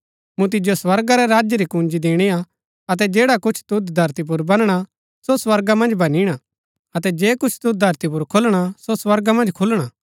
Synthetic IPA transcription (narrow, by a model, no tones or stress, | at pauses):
mũt̪̬ɪd͡ʒjoswɐɾɡaɾɛɾaːd͡ʒjəɾikũːnd͡ʒid̪eːɽ̃ia | ɐt̪̬ɛd͡ʒeːɽakʊt͡ʃʰt̪ʊt̪d̪ʱɐɾt̪ip̬ʊɾbɐnɽ̃a | soswɐɾɡamɐ̃nd͡ʒbɐniɽ̃a | ɐt̪ɛd͡ʒeːkʊt͡ʃʰt̪ʊt̪̚d̪ʱɐɾt̪ip̬ʊɾkʰʊlɽ̃asoswɐɾɡamɐ̃nd͡ʒkʰʊlɽ̃aː